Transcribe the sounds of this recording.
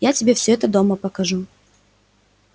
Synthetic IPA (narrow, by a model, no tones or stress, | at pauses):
jatʲɪbʲe̞fsʲoɛt̪əd̪o̞məpəkɐʐu